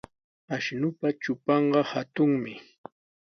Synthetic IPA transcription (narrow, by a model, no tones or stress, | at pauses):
aʃnʊpat͡ʃʊpɑɴɢɑhat̪ʊŋmɪ